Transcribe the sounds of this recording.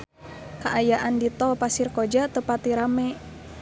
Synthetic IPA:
kaʔajaʔandit̪ɔpasirkod͡ʒat̪əpat̪iɾamɛ

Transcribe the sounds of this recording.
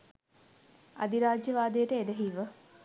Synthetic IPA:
ad̪iɾaːd͡ʒjəʋaːd̪ejəʈəedəɦiʋə

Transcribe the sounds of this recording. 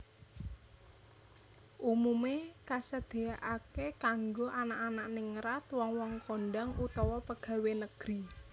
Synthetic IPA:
ʔumumekasəd̪̥e̤aʔakekaŋɡoʔanaʔanaʔnɪŋɾat̪wɔŋwɔŋkɔɳɖaŋut̪ɔwɔpəɡ̥a̤wenəɡ̥ɾi

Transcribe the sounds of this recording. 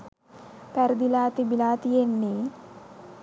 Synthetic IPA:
pɛɾd̪ilaːt̪ibilaːt̪ijenːi

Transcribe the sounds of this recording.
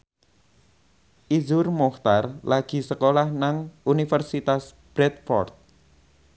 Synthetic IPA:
ʔizʊrmɔht̪arlaɡ̥i̤səkolahnaŋunifərsit̪as | b̥ɾɛt̪̚fɔ̰rt̪̚

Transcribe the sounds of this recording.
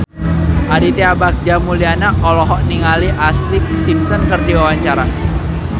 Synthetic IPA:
ʔadit̪iabak̚d͡ʒamulianaɔlɔɦɔʔniŋaliʔast̪ik̚simsɔnkərdiwawaɲt͡ʃaɾa

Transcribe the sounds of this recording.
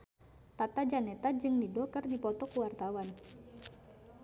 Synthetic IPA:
t̪at̪ad͡ʒanɛt̪ad͡ʒɨŋnidɔkərdipɔt̪ɔkuwart̪awan

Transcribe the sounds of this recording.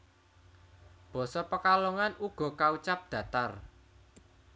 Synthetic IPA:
b̥ɔ̤sɔpəkaloŋanuɡ̥ɔ̤kaut͡ʃap̚d̪̥ä̤t̪ar

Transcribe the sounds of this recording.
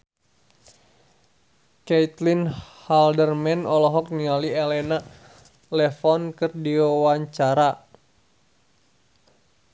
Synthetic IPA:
kɛit̪linhaldərmɛnɔlɔɦɔk̚nialiɛlɛna | lɛfɔnkɨrdiwawaɲt͡ʃaɾa

